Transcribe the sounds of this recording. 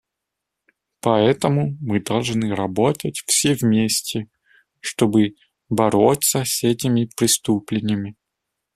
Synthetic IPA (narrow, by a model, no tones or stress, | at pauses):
pɐɛt̪əmʊmɨd̪ɐlˠʐnɨɾɐbot̪ətʲfsʲevmʲesʲtʲɪ | ʂt̪obɨ | bɐɾot̪səsʲɛtʲɪmʲɪpɾʲɪst̪uplʲɪnʲɪəmʲɪ